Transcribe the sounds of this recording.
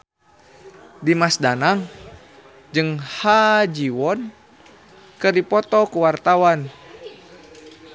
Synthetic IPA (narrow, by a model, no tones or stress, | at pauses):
dimasdanaŋ | d͡ʒɨŋhad͡ʒiwɔn | kɨrdipɔt̪ɔkuwart̪awan